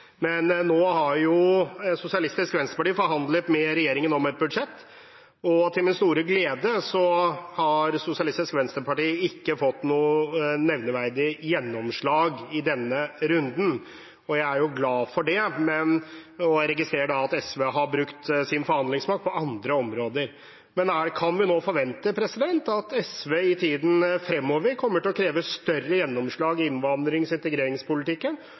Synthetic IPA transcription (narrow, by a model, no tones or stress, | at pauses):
mɛnːoːhɑɾjʊsʊsɪɑlɪst̪ɪskʋɛnst̪əpɑʈiːfɔɾɦɑnd̪lət̪mɛɾɛjeːɾɪŋənɔmɛt̪̚bʉd̪ʂɛt̪ː | ɔt̪ʰɪlmɪnst̪uːɾəɡleːd̪əsɔhɑɾsʊsɪɑlɪst̪ɪskʋɛnst̪əɾpɑʈiːɪkːəfɔt̪ːnuːnɛʋnəʋæɾd̪ɪjɛnːɔmʂɭɑːɡɪd̪ɛnːəɾʉnd̪n̩ | ɔjæɪæɾjʊɡlɑːfɔɖɛmɛnɔɾɛɡɪst̪ɾeːɾəɖɑːt̪ɛsʋeːɦɑbɾʉkt̪sɪnfɔɾhɑnd̪lɪŋsmɑk̪̚pʰɔɑnd̪ɾəɔmɾoːd̪əɾ | mɛnækʰɑnʋɪnoːfɔɾʋɛnt̪əpʰɾɛsɪd̪ɛnt̪ɑt̪ɛsʋeːɪt̪ʰiːd̪n̩fɾɛmːɔːʋəɾkʰɔmːəʈɪlɔkʰɾeːʋəst̪œrːəjɛnːɔmʂɭɑːɡɪɪnʋɑnd̪ɾɪŋsɪnt̪əɡɾeːɾɪŋspʊlɪt̪ɪkːən